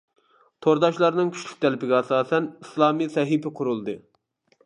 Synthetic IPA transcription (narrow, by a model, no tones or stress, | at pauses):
t̪ʰoɾd̪ɑʃlˠɑɾnɨŋkʲʰy̥ʃlʲykʲt̪ʰɛlɪpɪɡʲɛɑsɑːsɛnislˠɑːmisɛɦipɪqʰʊɾulˠd̪ɨ